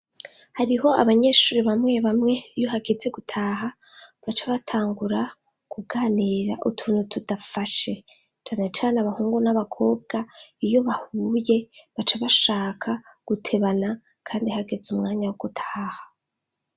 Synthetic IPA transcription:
haɾiɦo̞aβaɲe̞ːʃuːɾiβamŋe̞βamŋe̞joɦaɡe̞d͡ze̞ɡutʰaːɦa | βat͡ʃaβatʰaːŋɡuɾa | kuɡaːniɾaʔutʰuːnutʰudafaʃe̞ | t͡ʃaːnet͡ʃaːneaβahuːŋɡunaβakʰo̞ːb̚ɡaijo̞βahuje̞βat͡ʃaβaʃaːkʰaɡ̥utʰe̞βana | kʰaːndihaɡe̞zumŋaːɲawoɡ̥utʰḁːha

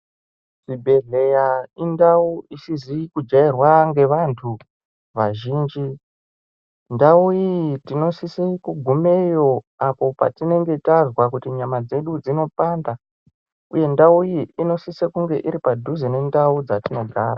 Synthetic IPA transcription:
sibʱe̞ɮe̞jaindauisizikud͡ʒairwaŋɡe̞ʋantʰu | ʋaʒiːnd͡ʒi | ndaujitino̞sisekuɡʱume̞jo̞ | apo̞pa̰tine̞ŋɡe̞tazwakutiɲamad͡ze̞ɗud͡zino̞panda | uje̞ndaujiino̞sisekuŋɡe̞ʔiɾipadʱuzene̞ndaud͡zatino̞ɡʱa̰ːɾa

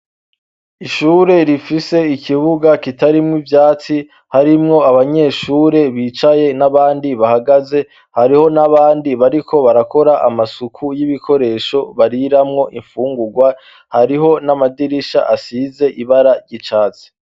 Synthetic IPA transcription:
iʃuːɾe̞ɾifise̞ikʰiβuɡakitaɾimŋivjaːt͡si | haɾimŋo̞aβaɲe̞ʃuːɾe̞βiːt͡ʃaje̞naβaːndiβahaɡaze̞ | haɾiho̞naβaːndiβaɾikʰo̞βaɾako̞ɾaʔa̰masukʰujiβikʰo̞ɾe̞ːʃo̞βaɾiɾamŋo̞ʔiɱfuːŋɡuɡwa | haɾiɦo̞namadiɾiʃa̰ʔasize̞ʔiβaɾaɾɟit͡ʃaːt͡si̥

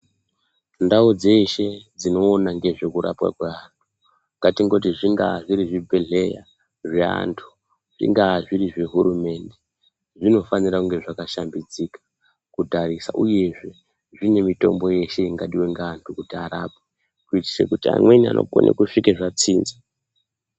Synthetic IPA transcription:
ndaud͡ze̞ʃe̞d͡zino̞ːnaŋɡe̞ʐe̞kuɾa̰pwa̰kweantʰu̥ | ŋɡatiŋɡo̞t̬iʐiŋɡaʐiɾiʐibʱe̞ɮe̞ja̰ | ʐea̰ntʰu̥ | ʐ̥ḭŋɡaʐiɾiʐe̞ɦuɾume̞nde̞ | ʐino̞faniɾakuŋɡe̞ʐakaʃambid͡zikḁ | kudʱaɾisa̰ʔuje̞ʐe̞ | ʐine̞mito̞̰mbo̞je̞ʃe̞iŋɡaɗiweŋɡaːntʰukutiaɾape | kuiti̥sḛkutia̰mwenia̰nʔo̰ko̰nʔḛkuʂikeʐat͡siːnza

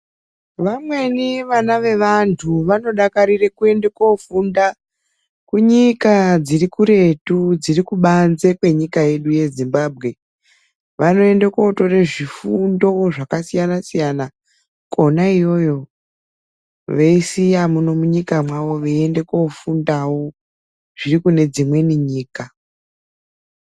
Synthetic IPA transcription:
ʋamwe̞niʋanaʋe̞ʋantʰuʋano̞ɗakaɾire̞kue̞nde̞ko̞funda | kuɲikad͡zirikuɾe̞tud͡zirikuɓanze̞kwe̞ɲikaje̞ɗuje̞zimbaːb̚ʱɣe̞ | ʋano̞e̞ndeko̞to̞reʐifundo̞ʐakasijanasijana | konaijo̞jo̞ | ʋeisijamuno̞muɲikamwawo̞ʋeende̞kofundawo̞ | ʐ̥irikune̞d͡zimwe̞niɲiːka

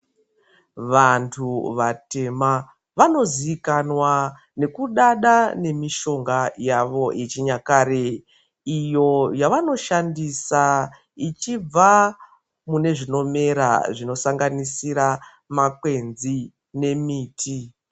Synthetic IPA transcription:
ʋantʰuʋate̞ma | ʋano̞ziikanwa | ne̞kuɗaɗane̞miʃo̞ŋɡajaʋo̞ʔet͡ʃiɲakaɾe | ijo̞jaʋano̞ʃandisa | it͡ʃib͡va | mune̞ʐino̞me̞ɾa̰ʐino̞saŋɡanisiɾa | makwe̞nzi | ne̞miːtʰi

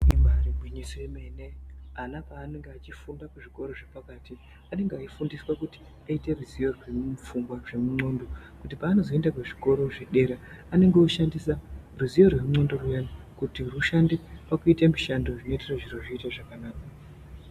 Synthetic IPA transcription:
imaribʱwiɲisoemeneanapaːne̞ŋɡeat͡ʃifundakuʐiko̞ɾo̞ʐepakaːti | ane̞ŋɡeaifundiswakuti̥ | aite̞ruzijo̞rwefuŋɡwaʐe̞muŋ͡ǀo̞ːndo̞kutipaːno̞zo̞e̞ndakuʐiko̞ɾo̞ʐeɗe̞ɾeane̞ŋɡeoʃandisaruzijorwe̞muŋ͡ǀo̞ndo̞rujano | kutiruʃandipakuitemiʃandoʐinoeteraʐiroʐiitaʐakanaːka

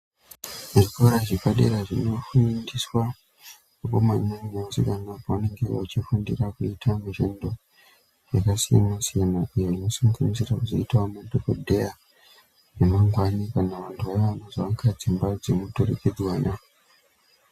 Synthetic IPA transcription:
uʐikoɾaʐikaɗḛɾaʐino̞fundiswa | upomaɲaɲsikanapowane̞ŋɡḛat͡ʃifundirakuitʰamuʐḛndo̞ | ʐakasija̰nasijanaʔijoino̞saŋɡanisirakuzo̰itwamadokodʱeja | nemaŋɡwanikaneʋantʰuʋaiʋanaʐaʋakʰad͡zimbad͡zemutorḛked͡zwaːna

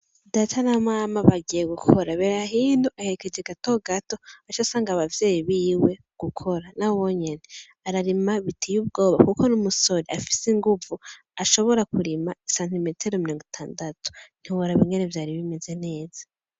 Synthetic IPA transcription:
daːtʰanamaːmaβaɡijeɡukʰo̞ɾaβe̞ːɾaɦiːn̥huʔahe̞ɾeke̞d͡ʒeɡato̞ɡato̞at͡ʃasaːŋɡaβavje̞ːjiβiːwe̞ | ɡ̥ukʰo̞ɾanawoɲe̞ne | aɾaɾimaβitʰijuβbɡo̞ːβakuko̞numuso̞ɾiafi̥siŋɡuvu | aʃo̞βo̞ɾakuɾimaisantimetʰeɾomiɾo̞ːŋɡitʰaːndatu̥n̥hiβoɾaβiŋɡenevjaːɾiβime̞ze̞ne̞ːz̥ḁ

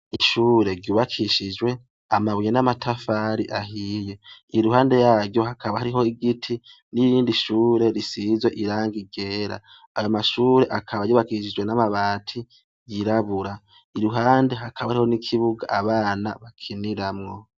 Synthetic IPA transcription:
iʃuːɾe̞ɾɟuːβakʰiʃid͡ʒwe̞ | amaβujenamatʰafaɾiʔaɦiːje̞iɾuɦaːnde̞jaːɾɟjo̞ɦakʰaβahaɾiɦo̞iɡitʰi | nijiːndiʃuːɾe̞ɾisiːzwe̞ʔiɾaːŋɡiɡe̞ːɾa̰ | ajomaʃuːɾe̞ʔakʰaβajuːβakiʃid͡ʒwe̞namaβaːtʰi | ɟiɾaβuɾa | iɾuɦaːnde̞ɦakʰaβahaɾiho̞nikʰiβuɡa̰ʔaβaːnaβakʰiniɾamŋo̞

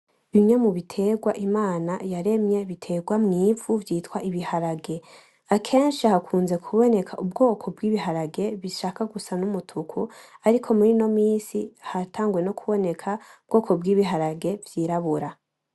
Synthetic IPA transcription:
βimɲe̞muβitʰe̞ːɡwaʔimaːnajaɾe̞mɲe̞βitʰe̞ːɡwamŋiːvuvjiːtwaʔiβihaɾaɡe̞ | akʰe̞ːnʃihakʰuːnze̞kʰuβo̞ne̞kʰaʔubɡo̞ːkʰo̞bɡiːβiɦaɾaɡe̞βiʃaːkaɡusanumutʰukʰuaɾikʰo̞muɾino̞miːsihatʰaːŋɡuwe̞no̞kʰuβo̞ne̞kʰaub̚ɡo̞ːkʰo̞bɡiːβiɦaɾaɡe̞vjiːɾaβuɾa

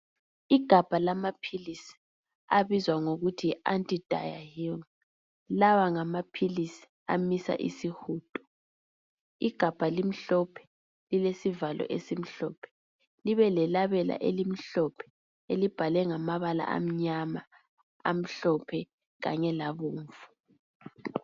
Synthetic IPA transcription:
iɡ̥ʱab̥ʱalamapʰilisi̥ | aβizwaŋoɣutʰiantʼid̥ʱa̰ja̰hi | lawaŋamapʰilisi̥ | a̰misa̰ʔḭsihuːtʼɔ̥ | iɡ̥ʱab̥ʱalim̩ɬɔpʰɛ̥ | lilesivalɔ̰ʔesim̩ɬɔːpʰɛ̥ | liβɛlɛlaβɛla̰ʔelim̩ɬɔpʰɛ̥ | elib̥ʱalɛŋamaβala̰ʔa̰m̩ɲama | a̰m̩ɬɔpʰɛ | ɣa̰ɲɛlaβoːɱfu̥

